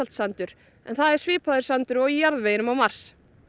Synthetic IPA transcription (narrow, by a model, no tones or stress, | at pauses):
alt̪sant̪ʏɾ̥ | ɛ̰nθaðɛɾ̥svɪːpʰaðʏɾ̥sant̪ʏɾɔɣijaɾðveːjɪnʏmawmaɾ̥s